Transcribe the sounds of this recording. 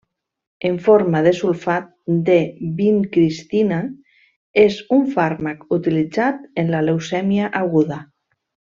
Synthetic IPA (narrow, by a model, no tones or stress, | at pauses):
eɱfoɾmað̞esulfat̪̚d̪ebiŋkɾist̪ina | ezuɱfaɾmakut̪ilid͡zat̪enlalewsɛmjaʔaɣuða